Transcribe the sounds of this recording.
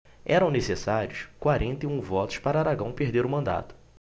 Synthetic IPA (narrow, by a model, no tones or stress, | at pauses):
ɛɾɐ̃w̃nesesaɾjʊskwaɾʔẽnt̪eũvɔt̪ʊ̥ʃpaɾɐaɾaɡɐ̃w̃peɦd̪eɾʊmɐ̃nd̪a̰t̪ʊ̥